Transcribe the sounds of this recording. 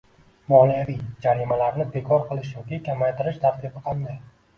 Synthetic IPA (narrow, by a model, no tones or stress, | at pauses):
mɒlijavijd͡ʒaɾimalaɾnɪbe̞kʰɒɾqʰɨlˠɪʃjɒkʲikʲʰamajt̪ʰɪɾɪʃt̪ʰaɾt̪ʰɪbɪqʰand̪aj